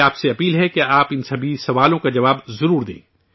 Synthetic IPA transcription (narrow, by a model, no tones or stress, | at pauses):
aːpseɐpiːlɦɛkeaːpɪnsɐbʱisɐʋaːlõkad͡ʒɐʋaːbzɐɾuːɾd̪ḛ̃ː